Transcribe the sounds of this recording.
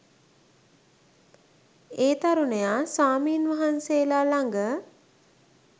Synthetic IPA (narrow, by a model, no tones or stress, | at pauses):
eːt̪aɾunejasaːmiːnʋaɦanseːlaːlaŋɡə